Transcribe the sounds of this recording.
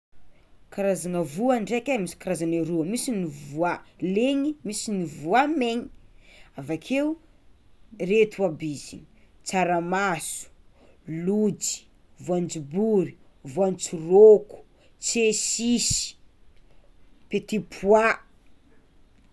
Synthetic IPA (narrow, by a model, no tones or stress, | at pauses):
kaɾazanəvuaɳɖ͡ʐekʲamisi̥kaɾazanaɾuəmisinivualeŋimisinivuameɲiavakʰeu | ret̪uabizḭni | t͡saɾamasu̥ | lud͡zi̥ | vuand͡zibuɾi | vuant͡suroku̥ | t͡sesisi̥ | pet̪ipʰwa